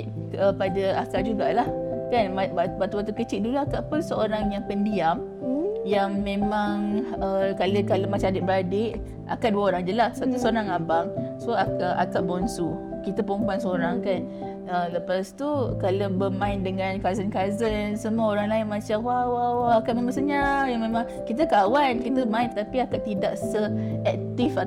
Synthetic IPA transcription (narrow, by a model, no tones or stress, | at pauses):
əpadaakaʔd͡ʒuɡaʔlahkanababaʔt̪uat̪̬ukət͡ʃɪʔ̪̚dulaakaʔpənsəoɾaŋjaŋpəndiam | jaŋmẽmãŋəkalokalamat͡ʃaadɪʔ̚bəɾadɪʔ | a̰kaʔduaoɾaŋd͡ʒəlassat̪usəoɾaŋabaŋsoakaʔa̰kaʔbɔnsu | kit̪əpəumpansəoɾaŋkan | ələpast̪ukalabəmãɪndəŋankazənkazənsəmuaoɾaŋlaɪnmat͡ʃamwawawaakatʔmemaŋsəɲajaŋmẽmãŋ | kit̪əkawankit̪əmãɪnpət̪apiakaʔt̪idaʔsəɛk̚t̪if